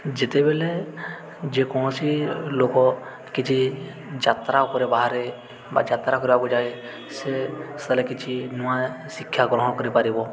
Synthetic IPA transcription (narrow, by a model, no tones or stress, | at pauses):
d͡ʒet̪ebele | d͡ʒekɔ̃silokɔ | kit͡ʃʰi | d͡ʒat̪ɾakɔɾebaɦaɾe | ba̰d͡ʒat̪ɾakɔɾibakud͡ʒaj | sest̪əlekit͡ʃʰinuasikʰːjaɡɾɔ̃ɦɔ̃kɔɾipaɾibɔ